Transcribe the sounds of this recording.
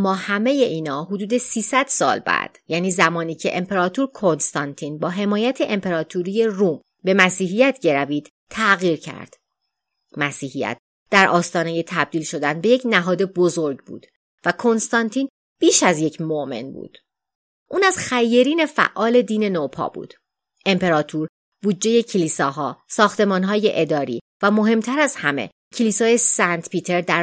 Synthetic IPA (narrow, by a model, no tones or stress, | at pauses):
mːɒːhæme̞je̞ʔiːnɒːɦod̪uːd̪e̞siːsæd̪̥sɒ̰ːlbæ̰d̪̥jæːniːzæmɒːniːcʰe̞̰ʔempʰe̞ɾɒːt̪ʰuɾkʰo̞nst̪ɒnt̪ʰiːnbɒːɦe̞mɒːjæt̪ʰe̞ʔempʰeɾɒːt̪ʰuɾije̞ruːm | be̞mæsiːɦijæt̪ʰɟe̞ɾæviːd̪̥ | t̪ʰːæɣiːɾcʰæ̰ɾd̪̥ | mæsiːhijæ̰t̪̚ | d̪æɾʔɒːst̪ɒːne̞je̞t̪ʰæb̚d̪iːlʃo̞d̪ænbeje̞cʰnæɦɒːd̪e̞bo̞zo̞ɾɟbṵːd̪̥ | vækʰo̞nst̪ɒnt̪ʰiːn | b̥iːʃæzje̞cʰmoʔme̞̰nbṵːd̪̥ | ʔuːnæzxæjːeɾiːne̞fæ̰ʔːɒːle̞d̪iːne̞nopʰɒ̰ːb̥ṵːd̪̥ | ʔe̞mpʰe̞ɾɒːt̪ʰuɾ | buːdd͡ʒe̞je̞cʰeliːsɒːɦɒːsɒːxt̪e̞mɒːnɦɒːje̞ʔed̪ɒːɾḭː | væmo̞ɦe̞mt̪ʰæɾæzhæmḛ | cʰeliːsɒːje̞sænt̪pʰiːt̪ʰe̞ɾd̪æɾ